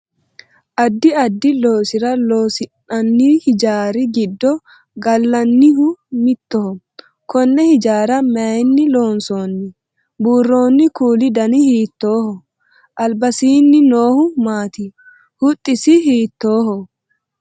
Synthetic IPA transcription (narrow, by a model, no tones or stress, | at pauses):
ʔɐd̪ːɪɐd̪ːɪlo̞ːsɪɾɐloːsɪnɐnːihɪd͡ʒaːɾɪɡɪd̪ːɔ | ɡɐlːɐnːɪhʊmɪt̪ːɔhɔ | kɔnːɛhɪd͡ʒaːɾɐmɛjnːɪlo̞ːnso̞ːnːɪ | buːrːo̞ːnːɪkuːlɪd̪ɐnɪhiːt̪ːo̞ːhɔ | ʔɐlbɐsiːnːɪnoːhʊmaːt̪ɪ | hʊt̪ʼːɪsɪhiːt̪ːoːɦɔ